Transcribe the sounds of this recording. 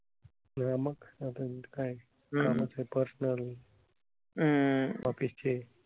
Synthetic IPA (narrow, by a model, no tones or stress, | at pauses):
naməkat̪akaj | kamat͡sajpəɾsnəl | ʋapist͡ɕe